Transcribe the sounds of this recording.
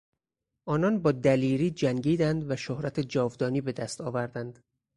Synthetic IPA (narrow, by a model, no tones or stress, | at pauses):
ʔɒːnɒnbɒːd̪æliːɾiːd͡ʒæŋɟiːd̪ænd̪væʃohɾæt̪ʰed͡ʒɒːvd̪ɒːniːbe̞d̪æst̪ɒːvæɾd̪ænd̪̥